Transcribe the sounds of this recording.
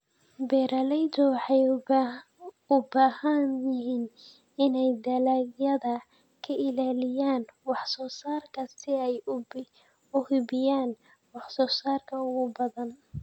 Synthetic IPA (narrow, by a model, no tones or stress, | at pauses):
bɛɾɐlɛjd̪ɔwɑħɑj | ʊbaːhɐnjɪɦiːn | ɪnɛjd̪ɐlaɡjɐðɐ | kʰɐʔɪlaːlɪjaːnwɑħsɔːsaːrkʰɐsɪɛj | ʊhɪbɪjaːn | wɑħsɔːsaːrkʰɐʊɣʊbɐðɐn